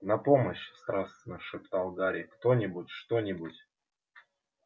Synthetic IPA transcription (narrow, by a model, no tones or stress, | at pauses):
nɐpoməɕst̪ɾast̪ʲvʲɪnɨxʂɨpt̪alˠɡaɾʲɪkt̪onʲɪbʊtʲʂt̪onʲɪbutʲ